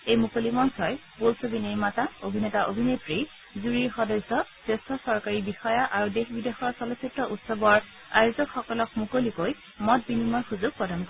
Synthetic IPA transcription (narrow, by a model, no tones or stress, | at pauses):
ejmukolimɔnsɔjpolsobinejmataobʱinetaʔobʱinepɹi | zuɹiɹxɔdɔjsɔsɹestɔsɔɹkaɹibixɔjaʔaɹudexbidexɔɹsɔlositɹɔʔutsɔbɔɹ | a̰jozɔkxɔkɔlɔkmukolikoj | mɔt̚binimɔɹxuzʊɡ̚pɹɔdʱankɔ